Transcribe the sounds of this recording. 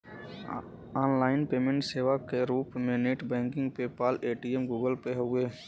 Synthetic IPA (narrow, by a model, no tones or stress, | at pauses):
aːnlaːɪnpeːmẽɳʈseːʋakeɾuːpmẽneːʈbɛ̃ːŋkɪ̃ŋɡpepaːleːʈiemɡuːɡəlpeɦʊeː